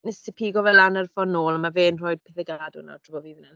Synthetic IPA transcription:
nɛstʰɪpʰiːɡɔvɛlanərfɔnoːlˠamaveːnr̥ɔːjd̥̚pʰɪθəɡadʊna̰d̥ʰrɔbɔviːvnɛn

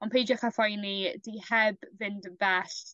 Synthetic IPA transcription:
ɔnpʰejd͡ʒɔχafajnidihɛbvɪndvɛɬ

